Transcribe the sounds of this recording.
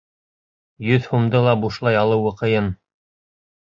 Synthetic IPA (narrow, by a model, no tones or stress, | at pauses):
jɵðhumd̪ɤlˠɑbuʃlˠɑjɑlˠɤwɤ̆qɤ̆jɤn